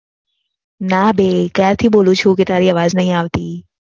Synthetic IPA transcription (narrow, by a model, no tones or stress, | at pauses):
naːbeːkɛːɾt̪ʰiɓoːlũt͡ʃʰuːkɪt̪aːɾiːɐʋaːznɐɦĩaːʋt̪iː